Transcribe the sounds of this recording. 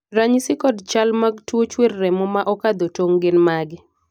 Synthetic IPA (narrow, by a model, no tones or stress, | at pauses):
ɾaɲsɪkɔdt͡ʃalmaɡtwot͡ʃwerːɛmɔmaʔɔkad̪otoŋɡɪnmaɡɪ